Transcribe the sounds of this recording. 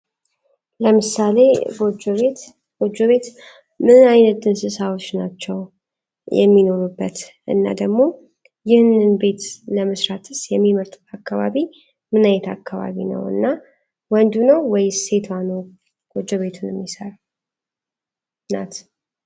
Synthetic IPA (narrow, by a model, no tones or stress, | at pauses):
ləmɨsale̞ɡod͡ʒβet̪ | ɡ̥od͡ʒoβe̞t̪ | mɨnajnət̪̚d̪ɨnsɨsawot͡ʃːnat͡ʃːɛw | jɛ̰mːino̞ɾubːət̪ | ʔɨ̰nːa̰d̪əɡmo̞ | jɪhnɨnbe̞t̪ləməsɾat̪ʰɨsjɛmːiməɾt̪ʰakːaβa̰βi | mɨnajɛt̪ʰa̰kːaβa̰βḭnə̰wɨ̰nːa | wɔnd̪unəwwɔjse̞t̪ʰano | ɡ̥od͡ʒoβe̞t̪ʰunɛmːisəɾa | na̰t̪